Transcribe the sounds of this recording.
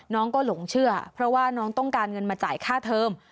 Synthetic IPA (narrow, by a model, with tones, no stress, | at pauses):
nɔː˦˥ŋkɔː˥˩lo˩˦ŋt͡ɕʰɯ˥˩ɐpʰɾɔ˦˥waː˥˩nɔː˦˥ŋt̪ɔ˥˩ŋkaː˧nŋɤ˧nmaː˧t͡ɕaː˨˩˦jkʰaː˥˩t̪ʰɤː˧m